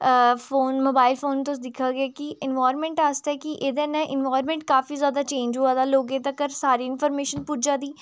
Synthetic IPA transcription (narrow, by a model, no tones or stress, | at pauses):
foːnmoːbaːɪlfoːnt̪oʊsd̪ɪkʰːaːɡɪaːkiʔɪnʋaːɾmɛ̃ːɳʈaːst̪ːɛːkiʔeːd̪ɛ̃ːnɛ̃ːʔɪnʋaːɾmɛ̃ːɳʈ̚kaːfiːzjaːd̪aːt͡ʃẽːɲd͡ʒɦuaːd̪aːloːɡẽːt̪əkəɾsaːɾiːɪnfɔːɾmeːʃənpʊd͡ʒaːd̪iː